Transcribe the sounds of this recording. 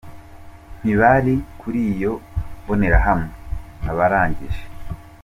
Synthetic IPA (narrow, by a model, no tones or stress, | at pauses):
n̥iβaɾikuɾiːjo̞βone̞ɾaɦamŋenaβaɾaːɲɟiʒe